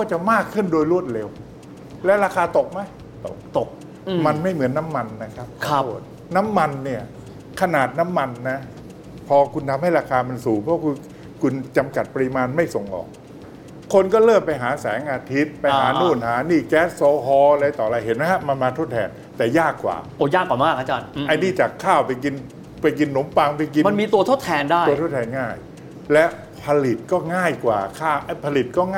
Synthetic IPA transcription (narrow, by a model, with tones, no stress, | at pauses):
kɔː˥˩t͡ɕa˨˩maː˥˩kʰːɯ˥˩ndoː˧jɾu˥˩ət̪̚ɾe˧w | lɛː˦˥wɾaː˧kʰaː˧t̪o˨˩k̚ma˦˥˩j | t̪o˨˩k̚ | ma˧nma˥˩jmɯ˩˦ənːa˦˥mːa˧nːa˦˥kʰa˦˥p̚bṵ˨˩t̪̚ | na˦˥mːa˧nːi˥˩ɐ | kʰa˧naː˨˩t̪̚na˦˥mːa˧nːa˦˥ | pʰɔː˧kʰu˧nt̪ʰa˧mha˥˩jɾaː˧kʰaː˧ma˧nsuː˨˩pʰɔ˦˥kʰuː˧ | kʰu˧nt͡ɕa˧mka˨˩t̪̚pa˧ɾi˧˥maː˧nma˥˩jso˨˩ŋʔɔ̰ː˨˩k̚ | kʰːo˧nkɔː˥˩ɾɤː˥˩mpa˧jɦaː˩˦sɛ̰ː˩˦ŋʔaː˧t̪ʰi˦˥t̪̚pa˧jɦa̰ː˨˩˦nuː˧˩nɦaː˩˦niː˥˩kɛː˦˥s̚soː˧ɦɔː˧ɾa˧jt̪ɔː˨˩˧ɾa˧jhe˨˦nma˦˥kʰa˦˥ma˧nmaː˧t̪ʰo˥t̪ʰːɛː˧n | t̪ɛː˨˩jaː˥˩kːwa̰ː˨˩ʔo˧˩jaː˥˩kwaː˨˩m˦aː˦˥˩k̚ʰa˦˥t͡ɕaː˧nʔa˧jniː˥˩t͡ɕaː˨˩kʰːaː˥˩wpa˧jk̬i˧n | pa˧jk̬i˧nːo˩˦mpa˧ŋpa˧jk̬i˧ma˧nmiː˧t̪u˧ɐt̪ʰo˦˥t̪ʰːɛː˧ndaː˥˩u˧t̪ʰt̪ʰɛː˧nŋaː˥˩j | lɛ˦˥ | pʰa˧li˨˩t̪̚kɔː˥˩ŋaː˥˩jkwaː˨˩kʰaː˥˩ʔa˧˩pʰa˧li˨˩t̪̚kɔː˥˩ŋː˥